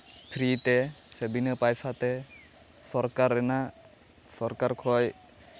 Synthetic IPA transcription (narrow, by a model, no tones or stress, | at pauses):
pʰɾit̪ɛsebinəpajpʰat̪ɛ | sɔɾkaɾːɛna | sɔɾkaɾkʰɔj